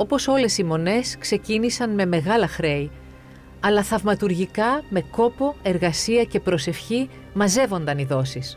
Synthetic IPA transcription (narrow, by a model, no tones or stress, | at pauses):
o̞po̞so̞le̞simo̞ne̞skse̞cinisɐnme̞me̞ɣɐlɐxɾe̞i | ɐlɐθɐvmɐt̪uɾʝikɐme̞ko̞po̞e̞ɾɣɐsiɐce̞pɾo̞se̞fçi | mɐze̞vo̞nd̪ɐniðo̞sis